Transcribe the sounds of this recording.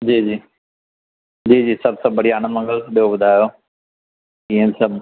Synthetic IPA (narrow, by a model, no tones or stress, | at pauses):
d͡ʑiːd͡ʑiː | d͡ʑiːd͡ʑiːsɐbsɐbəɽiaːñə̃mɐ̃ŋɡəltɓijobʊd̪ʱaːjoː | ɪ̃ːə̃bɪsɐb